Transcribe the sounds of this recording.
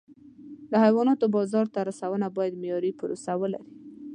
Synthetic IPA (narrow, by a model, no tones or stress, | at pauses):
d̪əhajwɑnɑt̪obɑzɑɾt̪aɾasawənabɑjad̪mejɑɾipʊɾosawəla̰ɾi